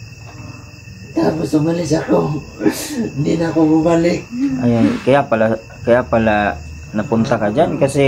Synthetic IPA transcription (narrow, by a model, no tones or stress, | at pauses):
t̪abusumalɪs̬ako | ndinakoɡumalɪk̚ajakajapala | kajapala | napunt̪akad͡ʒankasi